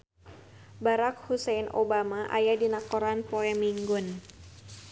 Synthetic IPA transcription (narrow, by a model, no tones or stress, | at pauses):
baɾak̚husɛnʔo̰bamaʔa̰jadinakɔɾanpoɛmiŋɡʊn